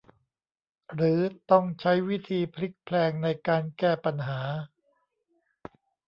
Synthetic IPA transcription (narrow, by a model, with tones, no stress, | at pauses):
ɾɯː˩˦t̪ɔ˥˩ŋt͡ɕʰa˦˥jwi˦˥t̪ʰiː˧pʰɾi˦˥k̚pʰlɛː˧ŋna˧jkaː˧nkɛː˥˩pa˧nɦaː˩˦